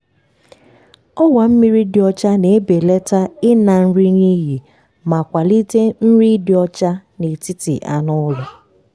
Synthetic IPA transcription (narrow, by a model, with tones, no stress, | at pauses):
ɔ˦wa˨m̩˦mi˦ɾi˦dɪ˨ɔ˦t͡ʃa˦ne˨e˦be˨le˦ta˦ɪ˦na˨n̩˦ɾi˦ɲi˦ɦi˨ | ma˨kʷa˨li˦te˦n̩˦ɾi˦dɪ˨ɔ˦t͡ʃa˦ne˨ti˦tḭ˨ʔa̰˨nʊ˦lʊ˨